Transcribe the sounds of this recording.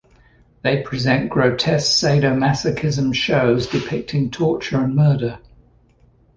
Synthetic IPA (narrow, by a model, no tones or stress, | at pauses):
ðeɪpʰɹ̥ɪzɛ̃nɡ̥ɹəʊtʰɛsseɪdəʊmasəkʰɪzə̃mʃəʊzdɪpʰɪk̚tʰɪ̃ŋtʰɔˑt͡ʃəɹə̃nmɜːdə